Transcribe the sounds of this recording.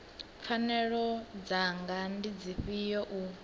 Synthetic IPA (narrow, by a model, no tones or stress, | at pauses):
p̪fʰanɛɺɔd͡zaŋɡandid͡ziɸijɔʔu